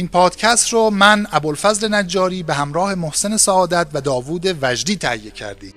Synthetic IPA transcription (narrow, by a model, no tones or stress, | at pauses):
ʔiːnpʰɒːd̪̥cʰæst̪ɾɔːmænæbolfæzle̞næd͡ʒːɒːɾiːbehæmɾɒːhe̞mohse̞ne̞sæɒːd̪æt̪væd̪ɒːvuːd̪evæd͡ʒɾiːt̪ʰæ̰hijːe̞cʰæ̰ɾd̪i̥ː